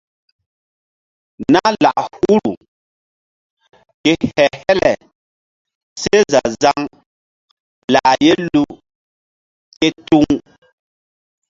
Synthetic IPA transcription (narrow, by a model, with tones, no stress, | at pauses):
na˦la̰˨ʔhu˦ɾu˨ | kɛ˨hɛ˨hɛ˦lɛ˨ | se˦za˨za˦ŋ | la˨jɛ˦lu˦ | kɛ˦tu˦ŋ